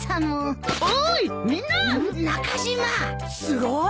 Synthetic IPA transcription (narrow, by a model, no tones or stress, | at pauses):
tanoomĩnːanakaʑima | sɨɡo